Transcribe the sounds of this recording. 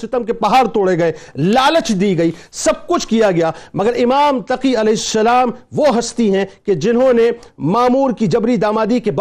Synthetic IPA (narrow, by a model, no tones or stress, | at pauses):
sɪt̪əmkepɐɦaːɾt̪oːɽeɡɐeːlaːlət͡ʃd̪iːɡɐiːsɐb̚kʊt͡ʃʰkijaɡɐjaːmɐɡəɾɪmaːmt̪ɐqiɐlɛːɦɪsːɐlaːmʋoɦɐst̪iɦɛ̃ked͡ʒɪnɦõnemaːmuːɾkid͡ʒɐbɾid̪aːmaːd̪ikeb